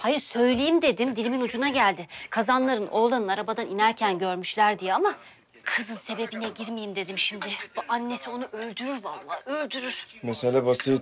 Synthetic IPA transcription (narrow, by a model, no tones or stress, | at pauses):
hajɯɾsø̞jlʲejimd̪e̞d̪imd̪ilʲiminud͡ʒunaɟælʲd̪ɪkʰazanlˠaɾɯnʔo̞lˠanɯnaɾabad̪aninæɾcʰænɟø̞ɾmyʃlʲæɾd̪ijɛama | kʰɯzɯnse̞be̞binɛɟiɾmijimd̪e̞d̪imʃimd̪ɪbuʔanːe̞sio̞nuʔølʲd̪yɾyɾvanlˠaːølʲd̪yɾyɾ̥meselʲabasɯ